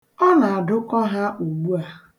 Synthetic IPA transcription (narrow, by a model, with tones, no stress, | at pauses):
ɔ˦na˨a˨dʊ˦kɔ˦ɦa˦ʔu˨ɡ͡bu˦a˨